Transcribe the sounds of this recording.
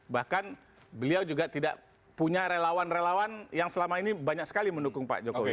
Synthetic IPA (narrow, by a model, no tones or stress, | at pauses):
bahkan | bəliawd͡ʒuɡat̪ida̰ʔ | puɲaɾelawanrelawanjaŋsəlamainibaɲak̚sə̥kaliməndukʊŋpa̰ʔd͡ʒokowi